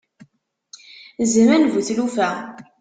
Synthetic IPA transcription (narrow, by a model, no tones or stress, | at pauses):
zəmænvuθlufæ